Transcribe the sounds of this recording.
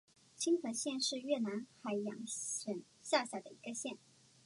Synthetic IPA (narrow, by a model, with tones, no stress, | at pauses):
t͡ɕʰi˥ŋxə˧˥ɕjɛ˥˧nʂɻ̩˥˧ɥɛ˥˩na˧˥nxa˧˥ɪjɑ̰˨˩ŋə˨˩n | ɕja˥˧ɕja˥˩d̪ə˩i˧˥ɡə˧ɕjɛ˥˩n